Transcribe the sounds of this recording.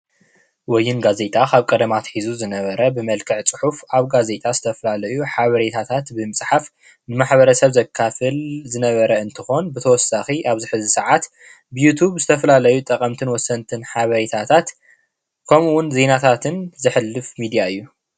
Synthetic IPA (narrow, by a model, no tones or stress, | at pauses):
wɔjːɪnɡaze̞t̪ʼakʰaβkʼɐd̪ɐmat̪ħizuzɨnɐβɐɾɐbɨmɐlkʰɨʕt͡sʼɨ̥ħufaβɡaze̞t̪ʼazɨt̪ʰɐfɐlalɐjuħaβɐɾet̪ʰat̪ʰat̪bɨmɨsʼħaf | nɨmaħβɐɾɐsɐβzɐkʰːafɨlzɨnɐβɐɾɐɨnt̪ʰɨxo̞nbɨt̪ʰɐwɔsːaxiʔaβzɨħɨzɨsɨʕat̪ | bɨjut̪ʰuβzɨt̪ʰɐfɐlalɐjut̪ʼɐkʼɐmt̪ʰɨnwɔsːɐnt̪ʰɨnħaβɐɾet̪ʰat̪ʰat̪ | kʰɐmuwʊnze̞nat̪ʰat̪ʰɨnzɨħɨlːɨfmid̪ijaɨjːu